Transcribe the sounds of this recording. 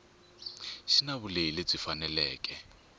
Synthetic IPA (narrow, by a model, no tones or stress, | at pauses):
ʃinaβuleileb͡ʐifanɛlɛːkʼɛ